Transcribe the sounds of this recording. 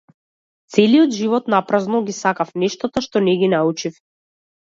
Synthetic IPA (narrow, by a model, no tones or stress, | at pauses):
t̪sɛliɔd̪ʒivɔt̪napɾaznɔɡisakafnɛʃt̪ɔt̪aʃt̪ɔnɛɡinaut͡ʃif